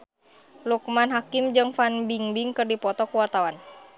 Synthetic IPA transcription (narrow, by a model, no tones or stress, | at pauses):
luk̚manɦakimd͡ʒɨŋfanbiŋbiŋkɨrdipɔt̪ɔkuwart̪awan